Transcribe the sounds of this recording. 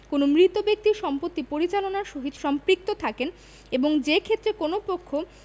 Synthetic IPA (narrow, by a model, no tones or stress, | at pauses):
konomɾit̪ːobek̚t̪iɾʃɔmpot̪ːipoɾit͡ɕalonaɾʃoɦid̪ʃɔmpɾik̚t̪ot̪ʰaken | eboŋd͡ʑekʰet̪ːɾekonopokʰːo